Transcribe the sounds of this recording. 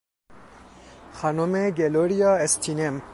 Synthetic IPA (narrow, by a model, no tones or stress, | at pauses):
xanomeɡeloɾijaest̪ʰinem